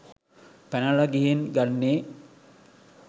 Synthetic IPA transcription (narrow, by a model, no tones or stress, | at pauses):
pænɐlɐɡiɦenɡanːeː